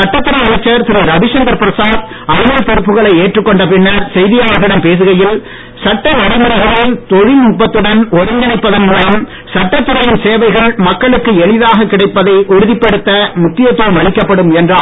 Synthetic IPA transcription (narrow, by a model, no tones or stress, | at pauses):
sɐʈːɐt̪ːɯɾɐjɐɐt͡ʃːɐɾt̪ɪɾɐɾɐbɪʂɐŋɡ̪ɐɾpɪɾɐsaːð | ɐɾɯmɐlpɛɾɯpːɯɣɐɭɐɪeːʈrɯkːɔɳɖɐpɪnːɐɾsɛjðɪjaːʋɐɣɪɽɐmpeːs̬ɯɣɐjɪl | sɐʈːɐɔɽɪmʊɾɐɣɐɭɪlt̪ɔɻɪmʊp̬ːɐt̪ːɯɽɐnɔɾɪŋɡ̪ɪɳɐɪpːɐðɐnmulɐm | sɐʈːɐt̪ːɯɾɐjɪnseːʋɐɪɣɐɭmɐkːɐɭɯkːɯɛɭɪðaːɣɐkːɪɽɐɪpːɐðɐɪʔʊɻɯðɪpːɐɽɯt̪ːɐmʊkːɪjɐt̪ːɯːɐmɐɭɪkːɐpːɐɽɯmɛndraː